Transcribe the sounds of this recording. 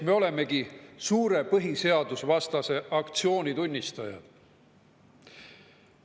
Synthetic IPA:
me̞o̞le̞me̞ɡisuːɾe̞pɤɦise̞ɑd̪usvɑst̪ɑse̞ʔɑkt̪sio̞ːnʲit̪unʲːist̪ɑjɑ̰d̪̥

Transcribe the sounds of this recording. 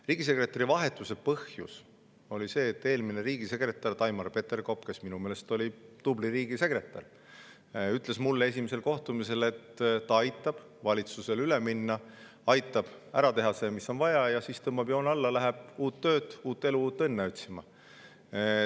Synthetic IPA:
riːɡ̥is̬e̞kre̞t̪ːˑɑɾivɑɦe̞t̪ːˑuse̞pɤhjṵs | o̞lʲise̞ːt̪ːe̞ːlmineɾiːɡ̥ise̞kre̞t̪ːˑɑrt̪ɑjmɑrpe̞t̪ːerko̞pke̞sminume̞ːlest̪o̞lʲit̪ubliɾiːɡ̥ise̞kre̞t̪ːˑɑ̰r | yt̪ˑle̞smulːe̞s̬ʲimese̞lko̞ht̪umise̞le̞t̪ːɑɑjt̪ːˑɑb̥ | vɑlʲit̪suse̞lyle̞minːɑ | ɑjt̪ːˑɑb̥æ̰ɾɑt̪e̞ɦɑseːmisːo̞nvɑjɑjɑsiːst̪ɤmːɑbjo̞ːnɑlːɑlæɦeb̥uːt̪ːø̞ːt̪uːt̪ːˑe̞luuːt̪ːˑe̞nːeot̪ʲsimɑ

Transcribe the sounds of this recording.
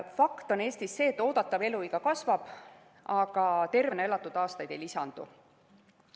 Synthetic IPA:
fɑkt̪o̞ne̞ːst̪isːe̞ːt̪ːˑo̞ːd̪̥ɑt̪ːˑɑve̞luiɡ̥ɑkɑsvɑb̥ | ɑɡ̥ɑt̪e̞rvneelːɑt̪ːˑud̪̥ɑːst̪ɑjd̪̥e̞jlisɑnd̪̥ṵ

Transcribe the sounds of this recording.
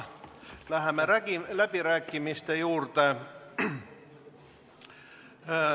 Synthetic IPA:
læhæmːerækilæpirækːimist̪ejuːrt̪ɑ

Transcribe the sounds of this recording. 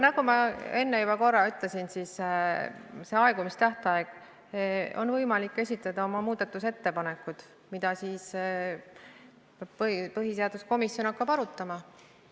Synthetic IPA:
nɑɡ̥umɑe̞nːejubɑko̞rːɑyt̪ˑle̞sinsiːs | se̞ɑeɡ̥umist̪æht̪ɑeɡ̥ | o̞nvɤjmɑlikːe̞sʲit̪ˑlɑd̪̥ɑo̞mɑmuːd̪̥ɑt̪ːˑuse̞t̪ːe̞pɑne̞kːˑud̪̥ | mid̪̥ɑsiːs | bppɤɦiseɑd̪̥usko̞misjo̞nɑkːɑbɑɾut̪ːˑɑmɑ

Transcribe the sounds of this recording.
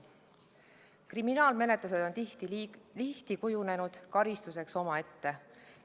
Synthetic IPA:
kriminɑːlme̞ne̞t̪luse̞d̪̥o̞n | liht̪ikujune̞nud̪̥kɑɾist̪use̞kso̞mɑe̞t̪ːe̞

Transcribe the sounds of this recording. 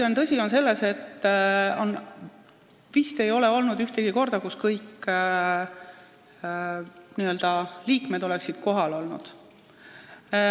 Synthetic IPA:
ont̪ɤsʲio̞nse̞lːese̞t̪ːo̞n | vist̪e̞jo̞leo̞lnud̪yht̪eɡ̥iko̞rd̪ɑkuskɤjkː | niːøld̪̥ɑliːkmed̪̥o̞leksid̪̥̚ko̞ɦɑlo̞lnṵd̪̥

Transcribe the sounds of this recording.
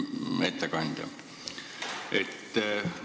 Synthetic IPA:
met̪sækɑnt̪ʲɑ̰ | ʔet̪ːæ

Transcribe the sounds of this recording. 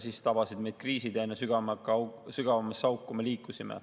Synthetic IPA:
sist̪ɑbɑsid̪me̞jd̪̥̚kriːsid̪eenːesyɡ̥ɑmkɑsyɡ̥ɑvɑmesɑwkːˑume̞liːkːˑusimḛ

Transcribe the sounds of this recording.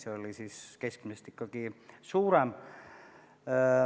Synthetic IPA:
seolisiskeskmisest̪ikːɑkisuːɾem

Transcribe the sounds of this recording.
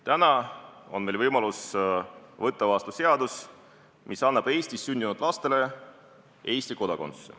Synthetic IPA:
t̪ænɑonme̞lvɤjmɑlus | vɤt̪ˑːɑvɑst̪use̞ɑd̪̥us | mʔisɑnːɑb̥e̞ːst̪isːynd̪inud̪̥lɑst̪e̞le̞ | e̞ːst̪iko̞d̪̥ɑko̞nse

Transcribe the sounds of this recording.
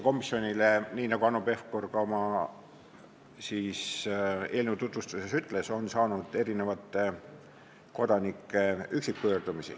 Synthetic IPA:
ko̞misːio̞nʲileniːnɑɡuɑnope̞fkorɡ̥ɑomɑ | siːse̞ːlnet̪ut̪vust̪usesyt̪ːˑle̞so̞nsɑːnud̪̥e̞ɾine̞vɑt̪ːˑe | ko̞d̪̥ɑnikːe̞yksikːuøːrd̪̥umisḭ

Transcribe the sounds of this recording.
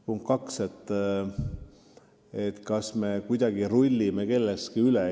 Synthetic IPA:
puŋkkːɑkse̞t̪ː | et̪kɑsme̞kujd̪̥ɑɡ̥iɾulʲːimeke̞lːest̪kiyle

